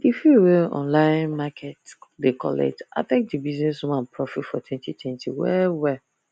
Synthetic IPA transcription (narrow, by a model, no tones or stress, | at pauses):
ifjuwiʔɔ̰̃nlãɪ̃nmakʰɛtdekʰɔ̰lɛ̰k̚ta̰tɛ̃k̚dibiznɛsũmãnpʰɹɔfitfɔtʰwɛ̃ntitʰwɛ̃ntʰiwɛ̰wɛ